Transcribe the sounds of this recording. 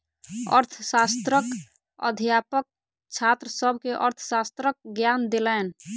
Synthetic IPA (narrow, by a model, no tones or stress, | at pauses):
ə̰ɾt̪ʰsast̪ɾək | ə̰d̪ʱjapək̚ | t͡ʃʰat̪ɾəsəbʱkeʔəɾt̪ʰsast̪ɾək̚ɡjand̪elɛːn